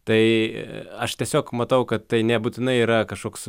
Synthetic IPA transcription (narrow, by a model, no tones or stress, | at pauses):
t̪ɐɪ | ɐʃt̪ʲiɛsʲoːkmɐt̪ɐʊkɐt̪t̪ɐɪnʲɛbuːt̪ʲɪnɐɪiːɾɐkɐʃkoːks